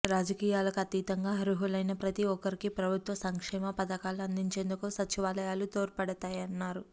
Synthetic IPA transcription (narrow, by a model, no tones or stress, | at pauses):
ɾaːd͡ʒɐkiːjaːlɐkɐt̪iːt̪ɐŋɡaːɦɐɾuɦulɐjnɐpɾɐt̪iɔkːɐɾikipɾɐbʱut̪ʋɐsɐŋkʂɛːmɐpɐd̪ɐkaːluɐnd̪iɲt͡ʃe̞ːnd̪ukusɐt͡ʃiʋaːlɐjaːlut̪oːɾpɐɽɐt̪aːjɐnːaːɾu